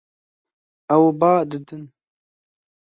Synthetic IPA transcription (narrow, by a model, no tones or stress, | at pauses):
ɐwbaːd̪ɨd̪ɨn